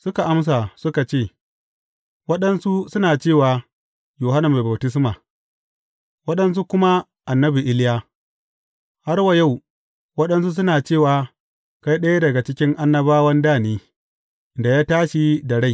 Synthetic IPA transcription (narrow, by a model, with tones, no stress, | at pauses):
sʊ˦ka˨ʔa˦ms̬a˨sʊ˦ka˨t͡ʃeː˦˨ | wɐ˦ɗɐ˦nsu˦sʊ˦naː˨t͡ʃeː˦˨waː˨ | joː˨ɦa˦na˨mːa˨ba˨wtɪ˦s̬ma˨ | wɐ˦ɗɐ˦ns̬u˦kʷʊ˦ma˦ | ʔa˨nːɐ˦bi˨ʔɪ˦ljaː˦ | ha˦rwa˨ja˦˨w | wɐ˦ɗɐ˦ns̬u˦s̬ʊ˦naː˨t͡ʃeː˦˨waː˨ | ka˦jɗɐ˦ja˦dɐ˨ɡa˨t͡ʃɪ˦kʲɪ˦ŋʔa˦nːɐ˦baː˦wɐ˦ndaː˦˨niː˦ | ʔɪ˨nda˨jaː˦taː˦ʃi˦da˨ɽa˦j